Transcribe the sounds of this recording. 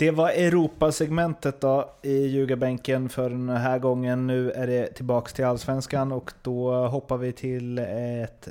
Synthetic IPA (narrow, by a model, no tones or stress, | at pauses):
d̪̥ɛvaɾɛɾuːpasɛɡmɛnt̪ət̪̚d̪ɔɪjʉ̟ːɡabɛŋkənfœɖɛnɦæːɾɡɔŋːənːʉ̟ːæɖɛt̪ʰɪlbɑːkst̪ʰɪlalsvɛnskanɔkd̪̥ɔɦɔpːavɪt̪ʰɪlɛt̪